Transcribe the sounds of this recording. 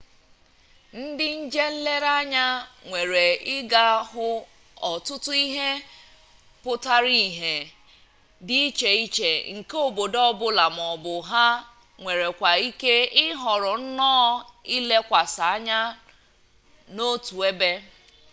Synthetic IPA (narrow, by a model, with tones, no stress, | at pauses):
n̩˦dɪ˦n̩˦d͡ʒe˦le˦ɾa˦ɲa˦ŋʷe˨ɾe˨ɪ˦ɡa˦ɦʊ˦ | ɔ˨tʊ˦tʊ˦i˦ɦe˦ | pʊ˦ta˦ɾi˦˨ɦe˨ | dɪ˦i˦t͡ʃe˨i˦t͡ʃe˨ŋ̩˨ko˦bo˨dɔ˦bʊ˦la˨m˨ɔ˨bʊ˨ɦa˦ | ŋʷe˨ɾe˨kʷa˨i˦ke˦ɪ˦ɦɔ˨ɾɔ˨n̩˦nɔː˦i˦le˦kʷa˨sa˨a˦ɲa˦ | no˦tu˨e˦be˦